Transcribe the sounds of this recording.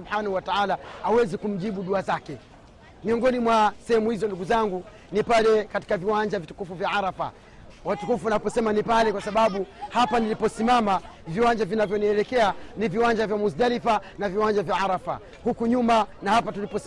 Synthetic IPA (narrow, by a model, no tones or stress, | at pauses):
ubħanahuwataalaawɛzikum̩ʄiɓuɗuazakɛ | miɔŋɡɔnimwasɛhɛmuhizɔnduɡuzaŋɡu | nipalɛkati̥kaviwaɲd͡ʒavitu̥kufuvjaaɾafa̰ | watukufunapɔsɛmanipalɛkwasaɓaɓuhapanilipɔsimamaviwaɲd͡ʒavinavjɔniɛlɛkɛaniviwaɲd͡ʒavjamusdalifanaviwaɲd͡ʒavjaaɾafa̰ | hukuɲumanahapatulipɔs